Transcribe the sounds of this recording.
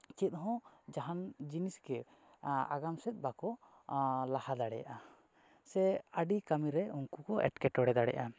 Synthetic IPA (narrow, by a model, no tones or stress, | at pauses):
t͡ʃit̪̚ˀɦɔ̃d͡ʒaɦand͡ʒinisɡɛ | a̰ɡamsɛt̪̚ˀbakɔ | lahad̪aɽɛja̰ʔa | sɛəɖikamiɾɛuŋkukɔʔɛ̰ʈkɛʈɔɽɛd̪aɽɛ̰ʔa